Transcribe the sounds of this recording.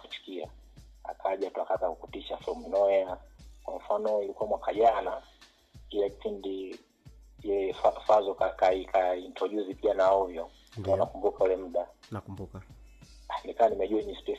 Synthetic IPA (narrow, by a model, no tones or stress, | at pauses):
ut͡ʃu̥kia̰ | a̰kʰaʄatuakazakukutiʃaflɔmnɔjakwaɱ̩fanɔilikuamwakʰaʄana | kilɛki̥pʰindi | ilɛfafazɔkakaikʰaintɾɔʄuzipianaɔvjɔ | kaɔnakumbukaulɛm̩ɗa | nikawanimɛʄuaiɲispɛ